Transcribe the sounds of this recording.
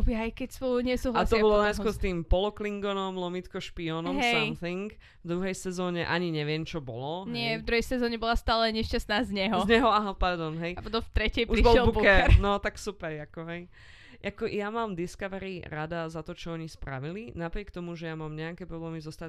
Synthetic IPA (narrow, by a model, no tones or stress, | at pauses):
ɔbiajkɛcsɔɲɛsuːɦlast̪ɔbɔlɔɲɛskʊɔɾst̪iːmpɔlɔkliŋɡɔnɔmlɔmit̪kɔʃpiɔnɔmɦɛsajmθiŋk | vd̪ɾuɦɛjsɛzɔːɲɛʔaɲiɲɛʋɪɛmt͡ʃɔbɔlɔɲɪɛvd̪ɾuɦɛjsɛzɔːɲɛbɔlˠast̪aːlɛɲɛʃcasnaːzɲɛɦɔzɲɛɦɔaɦapaɾd̪ɔnɦɛjɔt̪ɔft̪ɾɛcɛpuɾibʃɔlɛlbubkuɛɾɛɾnɔt̪aksupɛɾakɔɦɛj | ʔakɔjamaːmd̪iskaʋɛɾiɾad̪azat̪ɔt͡ʃɔɔɲispɾa̰ʋilinapɾɪɛkt̪ɔmuʒɛjamaːmɲɛakɛːpɾɔblɛːmizɔst̪a